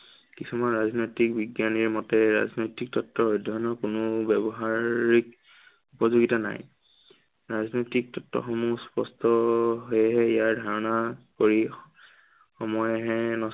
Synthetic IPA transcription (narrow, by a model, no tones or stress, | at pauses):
kisumanɹaznojtikbiɡjaniɹmɔtɛɹa̰znojtik̚tɔtɹɔojdʱɔnɔkʊnʊbɛbɔɦaik̚ | upɔzuɡitana̰j | ɹaznojtik̚tɔtːɔ̰xɔmuspɔstʰɔɦojɛɦɛijaɹdʱaɹɔnakoɹi | xɔmɔjɔɦɛnɔ